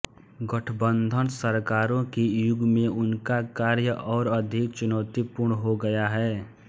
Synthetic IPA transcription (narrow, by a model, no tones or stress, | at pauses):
ɡəʈʰəbə̃nd̪ʱənsəɾkaːɾõkijʊɡmẽʊnkakaːɾjəʔɔːɾəd̪ʱɪkt͡ʃʊnɔːt̪ipʊɾɳɦoɡəjaɦɛː